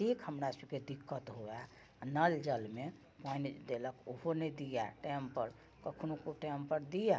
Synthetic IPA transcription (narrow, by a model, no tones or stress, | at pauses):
ʈʰikhəmɾasəb̚ked̪ikːət̪ɦoja | nəld͡ʒəlme | pãjnd̪eləkoɦonəjd̪ijaʈɛmpəɾ | kəkʰnokoʈɛmpəɾd̪ija